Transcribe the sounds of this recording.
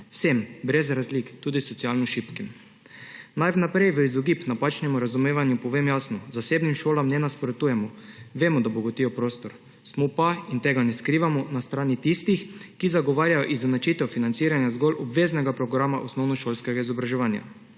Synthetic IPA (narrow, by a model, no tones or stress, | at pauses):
wsembɾɛzɾazlikt̪uːd̪isɔt̪sijaːlnɔʃipkim | najʋnapɾɛjʋəizɔɡipnapat͡ʃnɛmuɾazumeːʋanjupɔʋemjaːsnɔzaseːbnimʃoːlamnɛnaspɾot̪uːjɛmɔʋeːmɔd̪abɔɡot̪iːjɔpɾoːst̪ɔɾ | smɔpaint̪ɛɡanɛskɾiːʋamɔnast̪ɾaːnit̪ist̪ixkizaɡɔʋaːɾjajɔʔizanat͡ʃit̪ɛwfinansiːɾanjazɡɔlʔɔbʋeːznɛɡapɾɔɡɾamaʔɔsnɔwnɔʃoːlskɛɡaizɔbɾaʒɛʋaːnja̰